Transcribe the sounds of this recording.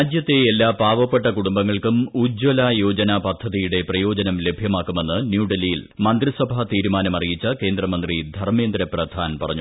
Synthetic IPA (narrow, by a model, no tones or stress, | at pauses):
ad̪jɐt̪ːeːlːaːbʱaːʋɐpːeʈːɐkuɽumbɐŋːɐɭkumud͡ʑwɐlajoːd͡ʑɐnɐpɐd̪ʱːɐðijuɽe̞prɐjo̞ːd͡ʑɐnɐmle̞bʱjɐmaːkːume̞nːɨnjuːɖelijilmɐnd̪risɐbʱɐt̪iːɾumaːnɐmɐrijit͡ɕːɐke̞ːnd̪rɐmɐnd̪rid̪ʱɐrmeːnd̪ɾɐprɐd̪ʱaːnpɐrɐ̰ɲːu